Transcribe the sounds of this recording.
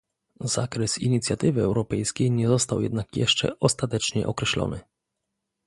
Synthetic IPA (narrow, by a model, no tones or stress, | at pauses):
zakɾɛsḭɲit̪sʲjat̪ɘvɘɛwɾɔpɛjskʲejɲɛzɔst̪awjɛ̰d̪nakjɛʂt͡ʂɛ̰ɔst̪at̪ɛt͡ʂɲɛ̰ʔɔkɾɛɕlɔ̰nɘ̰